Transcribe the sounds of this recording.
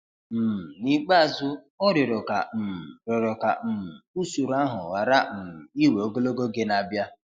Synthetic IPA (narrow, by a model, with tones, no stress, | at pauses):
m̩˨ni˦k͡pa˦a˨zʊ˦ | ɔ˦ɾɪ˨ɾʊ˨ka̰˨m̩˨ɾɪ˨ɾɔ˨ka̰˨m̩˨u˦su˨ɾa˦ɦʊ̰˨wa˨ɾa˦m̩˨m˨i˦we˨o˦ɡo˦lo˦ɡo˦ɡe˦na˨bja˦